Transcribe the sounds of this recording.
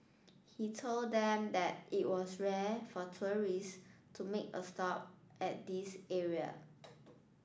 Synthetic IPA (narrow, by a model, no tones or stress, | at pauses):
hitʰolddɛ̃mdɛt̚iʔ̚wɔsɹɛfɔtʰuɹistʰumekə̰stɔp̚ | ʔɛt̚disɛɹiə̰